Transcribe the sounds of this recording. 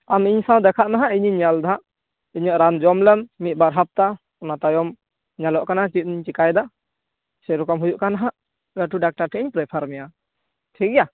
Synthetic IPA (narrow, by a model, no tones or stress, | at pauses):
amiɲsãwd̪ɛkʰaʔnaɦaʔiɲiɲald̪ʱãʔ | iɲəʔɾand͡ʒɔmlɛnmit̪̚baɾɦap̚t̪a | ɔnat̪ajɔm | ɲalɔʔkanat͡ʃit̪̚ˀiɲt͡ʃikajd̪a | sɛɾɔkɔmɦujuʔkanaɦaʔ | laʈuɖak̚ʈaʈʰɛiɲpɾɛpʰaɾmɛja | ʈʰikja